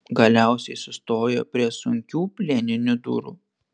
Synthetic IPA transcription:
ɡɐlʲæˑʊsʲɛɪsʊst̪oːjɛpʲɾʲiɛsʊŋʲkʲuːpʲlʲeːnʲɪnʲʊd̪ṵːɾṵː

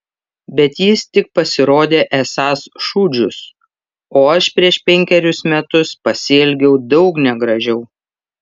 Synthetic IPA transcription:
bʲɛt̪jɪst̪ʲɪk̚pɐsʲɪɾoːd̪ʲeːʔɛsɑːsʃuːd͡ʒʲʊs | oːɐʃpʲɾʲiɛʃpʲɛŋʲkʲɛɾʲʊsmʲɛt̪ʊspɐsʲɪːlʲɡʲɛʊd̪ɒʊknʲɛɡɾɐʒʲɛʊ

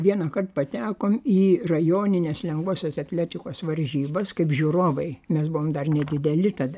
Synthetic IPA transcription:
ʋʲiɛnɐkɐrt̪pɐt̪ʲæːkoːmiːrɐjoːnʲɪnʲeːslʲɛŋɡʋoːsʲɛsɐt̪ʲlʲæːt̪ʲɪkoːsʋɐɾʲʒʲiːbɐskɐɪpʒʲuɾoːʋɐɪmʲɛsbʊʋoːmd̪ɐrnʲɛd̪ʲɪd̪ʲɛlʲɪt̪ɐd̪ɐ

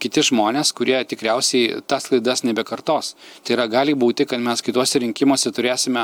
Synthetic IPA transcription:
kʲɪt̪ʲɪʒmoːnʲeːskʊɾʲiɛt̪ʲɪkɾʲɛʊsʲɛɪt̪ɐslˠɐɪd̪ɐsnʲɛbʲɛkɐrt̪oːst̪ɐɪiɾɐɡɑːlʲɪbuːt̪ʲɪkɐt̪mʲɛskɐɪt̪uɔsʲɛɾʲɪŋʲkʲɪmoːsʲɛt̪ʊɾʲeːsʲɪmʲɛ

